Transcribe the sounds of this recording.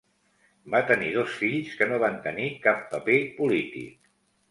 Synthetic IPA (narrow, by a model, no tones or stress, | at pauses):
bat̪ənið̞osfiʎskənoβant̪ənikapːəpepulit̪ḭk̚